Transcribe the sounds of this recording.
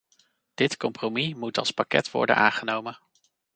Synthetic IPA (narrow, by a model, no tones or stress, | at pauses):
d̥ɪtkɔmpromimutɑ̰lˠspakɛ̰tʋɔ̰ɹdə̰nʔa̰ːŋχənowmən